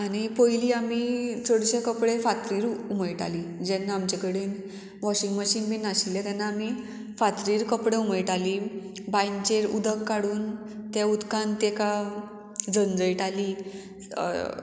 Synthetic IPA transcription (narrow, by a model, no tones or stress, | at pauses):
aɽ̃ipojliːamit͡sʰəɽɕekəpɽefat̪ɾiːɾuməjʈa̰lid͡ʑɛnːaamt͡ɕakəɽiːn | ʋɔɕiŋɡməɕiːnbinaɕiljet̪ɛnːaːmi | fat̪ɾiːɾkəpɽeuməjʈali | bajnt͡ɕeɾud̪əkːaɽuːn | t̪jaud̪kãnt̪eka | d͡zənd͡zəjʈalḭ